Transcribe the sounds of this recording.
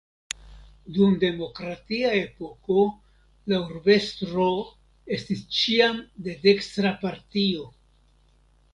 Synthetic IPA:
dumde̞mo̞kɾatiae̞po̞ko̞ | lauɾbe̞stɾo̞ | e̞stist͡ʃiamde̞de̞kstɾapaɾtio̞

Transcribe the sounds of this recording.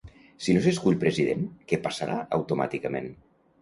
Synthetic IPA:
sinoseskuʎpɾeziðenkepasaɾʔa̰əwt̪uma̰t̪ikəmḛn

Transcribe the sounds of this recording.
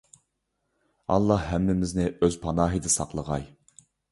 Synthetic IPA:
ɑ̰lˠːɑhːæmːɪmɪznɪʔøzpʰɑnɑːɦid̪ɪsɑ̰qlˠəʁɑ̰j

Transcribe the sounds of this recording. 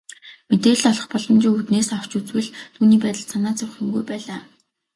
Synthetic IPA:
met̪eːɮt̪ɔɮɞ̆χpɔɮɞ̆mt͡ɕiːŋut̪neːsɔw̥t͡ɕut͡swɘ̆ɮt̪ʰuːniːpæːt̪ə̆ɮsʰanaːt͡sʊwχjɪ̆mɡujpæːɮaː

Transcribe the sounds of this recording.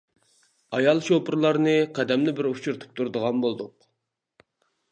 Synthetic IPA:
ɑjɑlˠʃopʰɨɾlˠɑɾnɨqʰɛd̪ɛmnɪbɪɾut͡ʃʰuɾt̪ʰu̥p̚t̪ʰuɾd̪əʁɑnbolˠd̪ʊq

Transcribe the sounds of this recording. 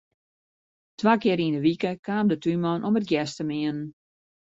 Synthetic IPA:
tʋakɪəɾinəʋikəkʰaːmdətymɔnʔomət̚ɡjɛstəmɪənən

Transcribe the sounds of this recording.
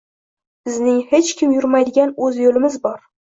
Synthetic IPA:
b̥ɪznɪŋhet͡ʃkʲʰɪmjʊɾmajd̪ɪɡʲanɵzjolɪmɪzbɒɾ

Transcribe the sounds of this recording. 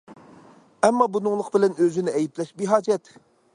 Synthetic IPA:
ɛmːɑbunɨŋlˠəqbɪlɛnøzɪnɪɛjiplɛʃbiɦɑːd͡ʒɛt̪

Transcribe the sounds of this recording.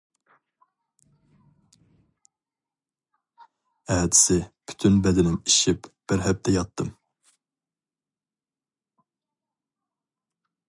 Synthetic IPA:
ɛːd̪ɪ̥sɪpʰy̥t̪ʰynbɛd̪ɪnɪŋiʃipb̥ɪɾɦɛp̚t̪ʰɛjɑt̪ʰːɨm

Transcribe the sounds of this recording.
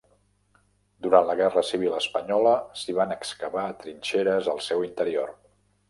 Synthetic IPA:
d̪uɾantləɣ̞ɛrəsiβ̞iləspəɲɔləsiβ̞anəkskəβaːt̪ɾinʲt͡ʃeɾəzəlˠsɛwint̪əɾio̰r

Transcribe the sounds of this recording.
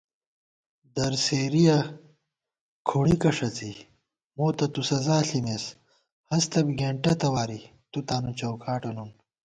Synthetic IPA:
d̪ɐɾseːɾijɐ | kʰuɳikɐʂɐt͡si | moːt̪ɐt̪usɐzaːɬimes | hɐst̪ɐbɡeːɳʈɐt̪ɐwaːɾi | t̪ut̪aːnut͡ɕɐwkʰaːʈɐnun

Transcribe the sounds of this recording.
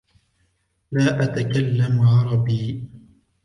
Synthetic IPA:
laːʔat̪akalːamʕɑɾˤɑbiː

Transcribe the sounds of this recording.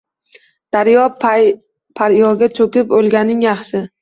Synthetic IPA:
d̪̥aɾjɒp | pʰaɾjɒɡʲat͡ʃʰɵkʲɪpolɡʲanɪŋjɑχsɪ

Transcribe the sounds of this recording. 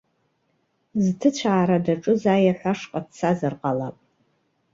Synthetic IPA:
zɨtʰɨt͡ɕʷʰaːɾɐdɐʈ͡ʂʼɨzaːjɛħʷaʂqʼatt͡sʰazɨrqʼalapʼ

